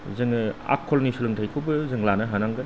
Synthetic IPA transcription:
zɯŋa̰kʰːɔlnisulɯŋtʰajkʰɯwbɯzɯŋlanɐɦanaŋɡɯ

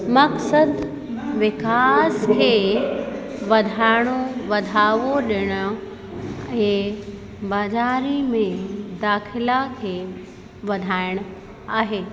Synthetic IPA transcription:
mɐksəd̪ | ʋɪkaːskʰeː | ʋɐd̪ʱaːɪɽ̃oʋɐd̪ʱaːʋoɗɪɽ̃ʊ̆ | ɛ̃ | baːzaːɾimẽd̪aːxɪlakʰeː | ʋɐd̪ʱaːɪɽ̃ʊ | aːɦeː

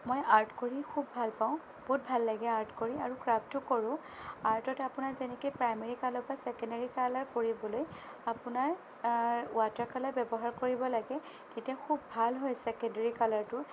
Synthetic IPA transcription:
mojaɹtkoɹixʰubːʱalpaʊ̃ | b̥ot̚bʱalːaɡɛaɹtkoɹiaɹukɹaptʊkoɹʊ̃ | aɹtɔtapʊnaɹzɛnɛkejpɹajmeɹikalɔɹpasɛkɔndaɹikalaɹkoɹibɔloj | apʊnaɹ | ʊatakalaɹbɛbɔɦaɹkoɹibɔlaɡɛ | tetiaxubbʱalɦojsɛkɛndaɹikalaɹtʊ

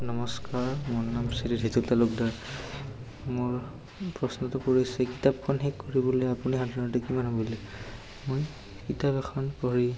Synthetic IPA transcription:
nɔmɔskaɹmɔnnamsididʱitultalʊk̚daɹ | mʊɹ | pɹɔsnɔtɔkoɹisɛkitap̚kɔnɦekːoɹibɔlojapuniɦadʱinɔtɛkimanɦɔbɔlɛ | moj | kitapɛxʰɔnkɔɹi

